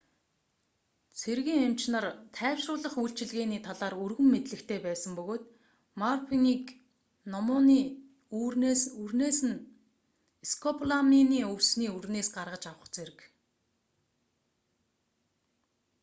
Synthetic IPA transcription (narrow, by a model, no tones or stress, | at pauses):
t͡sʰerɣiːŋem̥t͡ɕnə̆rt̪ʰæːwʃrʊːɮə̆χujɬt͡ɕɪ̆ɮɣeːniːt̪ʰaɮaːɾurɣɵ̆mːet̪ɮɘ̆xt̪ʰeːpæːsə̆mpɵɣoːt̪ | marfiŋiːk | nɔmʊːniː | ɵrneːsɘ̆n | eskʰɔpʰɮaminiːɵwsniːɵrneːsɢarʁə̆t͡ɕawə̆χt͡seɾɘ̆k